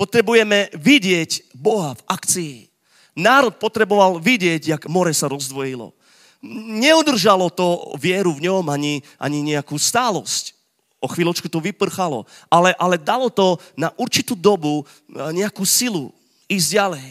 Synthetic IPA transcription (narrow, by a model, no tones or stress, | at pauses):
pɔt̪ɾɛbujɛmɛʋiɟɪɛcbɔɦavakt͡sii | naːɾɔt̪̚pɔt̪ɾɛbɔʋalʋiɟɪɛɟjaɡmɔɾɛsaɾɔzd̪ʋɔjilɔ̰ | ɲɛud̪r̩ʒalɔt̪ɔʋɪɛɾuvɲɔmaɲiʔa̰ɲiɲɛakuːst̪aːlɔsc | ɔxʋiːlɔt͡ʃkut̪ɔʋipr̩xalɔ̰ʔalɛʔalɛd̪alɔt̪ɔnaʔuɾt͡ʃit̪uːd̪ɔbu | ɲɛakuːsilu | iːzɟalɛj